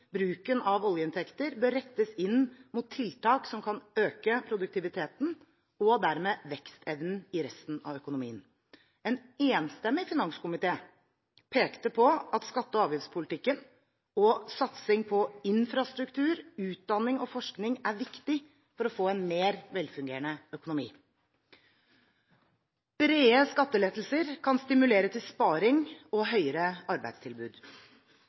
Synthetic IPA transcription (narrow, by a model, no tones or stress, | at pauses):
bɾʉːkənɑʋɔljəɪnt̪ʰɛkt̪əɾbøːɾːɛt̪ːəsɪnmʊt̪ʰːɪlt̪ʰɑːksɔmkʰɑnøːkəpʰɾʊd̪ʉk̚t̪ʰɪʋɪt̪ʰeːt̪n̩ | ɔd̪æɾmeːʋɛkst̪ʰɛʋnn̩ɪɾɛst̪n̩ɑ̰ʋœkʊnʊmḭːən | ɛneːnst̪ɛmːɪfɪnɑŋskʊmɪt̪ʰeː | pʰeːkt̪əpʰɔɑt̪skɑt̪ːəɔɑːʋjɪfspʰʊlɪt̪ɪkːən | ɔsɑt̪sɪŋpʰɔɪnfɾɑst̪ɾʉkt̪ʰʉːɾʉːt̪̚d̪ɑnːɪŋɔfɔʂknɪŋæɾʋɪkt̪ɪ | fɔɾɔfoːɛnmeːɾʋɛlfʉŋɡeːɾəɳəœkʊnʊmḭː | ɾeːəskɑt̪ːəleːt̪əl̩səɾkʰɑnst̪ɪmʉleːɾət̪ʰɪlspɑːɾɪŋɔɦœʏəɾəɑɾbæ̰ɪd̪st̪ʰɪlbʉːd̪